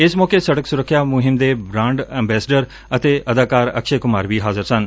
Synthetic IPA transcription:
ɪsmɔːkesɐɽəksʊɾəkʰːjamʊɦɪmd̪ebɾãːɳɖɛ̃ːmbɛːsəɖəɾ | ɐt̪eʔɐd̪aːkaːɾɐ̰kʃekʊmaːɾʋiːɦaːzəɾsən

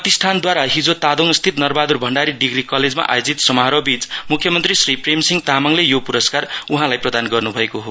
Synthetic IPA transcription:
t̪ist̪ʰand̪waɾaɦid͡zot̪ad̪oŋst̪ʰit̪nʌrbad̪urbʱʌɳɖaɾiɖiɡrikʌled͡zma̰ʔa̰jod͡zit̪sʌmaɦɾʌbit͡smukʰːjʌmʌnt̪risripremsiŋt̪amaŋlejopuɾʌskaruɦãlajprʌd̪anɡʌrnubʱʌekoɦo

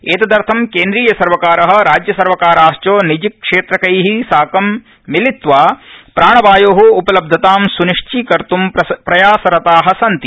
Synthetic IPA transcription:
eːt̪ɐd̪ɐɾt̪ʰɐmkeːnd̪ɾiːjɐsɐɾʋɐkaːɾɐɦɐ̆ɾaːd͡ʒjɐsɐɾʋɐkaːɾaːst͡ʃoːnid͡ʒikːʂeːt̪ɾɐkɐjɦisaːkɐmː | ilit̪ʋaːpɾaːɳ̃ɐʋaːjoːɦuːpɐlɐb̚d̪ʱɐt̪aːmsuniʂt͡ʃikɐɾt̪umpɾɐjaːsɐɾɐt̪aːɦɐsɐnt̪i

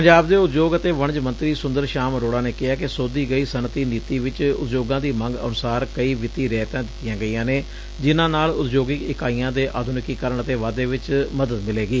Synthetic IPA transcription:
pəɲd͡ʒaːbd̪eːʊt̪d͡ʒoːɡət̪eːʋəɳd͡ʒmənt̪ɾiːsʊ̃nd̪əɾʃaːmɾoːɽaːneːkɪɦaːkɪsoːd̪iːɡəiːsənt̪iːniːt̪iːʋɪt͡ʃʊ̰t̪d͡ʒoːɡãːd̪iːmə̃ŋɡə̰nʊsaːɾkəiːʋɪt̪iːɾɛːt̪ãːd̪ɪt̪ːɪjãːɡəijãːneː | d͡ʒɪnãːnaːlʊt̪d͡ʒoːɡɪkɪkaːiːãːd̪eːʔaːd̪ʱʊnɪkiːkəɾəɳət̪eːʋaːd̪eːʋɪt͡ʃməd̪əd̪mɪleːɡiː

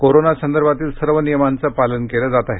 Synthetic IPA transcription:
koɾonasənd̪əɾbʱat̪iːlsəɾʋənijəmant͡səpalənkeləːd͡zat̪aɦe

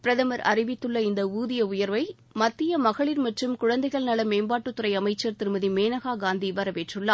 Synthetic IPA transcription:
pɪɾɐðɐmɐɾɐ̰rɪʋɪt̪ːɯɭːɐɪnd̪ɐuːðɪjɐʊjɐɾʋɐɪ | mɐt̪ːɪjɐmɐɣɐɭɪɾmɐʈrɯmkʊɻɐnd̪ɐɪɣɐɭnɐlɐmeːmbaːʈːɯt̪ːɯɾɐɪɐmɐɪt͡ʃːɐɾt̪ɪɾɯmɐðimeːnɐɣaːɡaːnd̪iʋɐɾɐʋeːʈrɯɭːaː

